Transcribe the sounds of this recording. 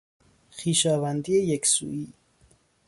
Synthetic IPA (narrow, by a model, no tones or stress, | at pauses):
xiːʃɒːvænd̪iːejeksṵːiː